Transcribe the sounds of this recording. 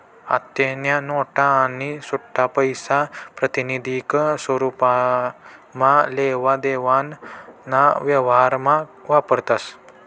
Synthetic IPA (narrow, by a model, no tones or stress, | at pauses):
a̰t̪jenjanoʈaːnisuʈʰːapəjsapɾət̪inid̪ʱiksʋəɾupa | mãleʋad̪eʋannːaʋjəʋɦaɾmãʋapəɾt̪as